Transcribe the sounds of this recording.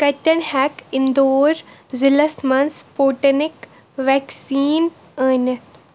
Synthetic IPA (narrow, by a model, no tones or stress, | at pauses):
kɐt̪ʲːɐnhɛkɪnd̪oːɾ | zɪlɐsmɐnspoːʈɐnɪk | ʋɛːksiːn | əːnɐt̪